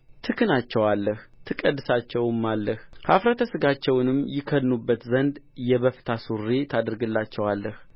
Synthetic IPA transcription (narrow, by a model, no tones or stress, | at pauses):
t̪ʰɨkʰɨnat͡ʃːɛwalːəht̪ʰɨkʼəd̪ːɨsat͡ʃːɛwmːalːəhhafɾət̪ʰəsɨɡat͡ʃːɛwnɨmːjɪkʰːənːubːət̪zənd̪jɛβəft̪ʰasurːet̪ʰad̪ɾɨɡɨlːat͡ʃːɛwalːəh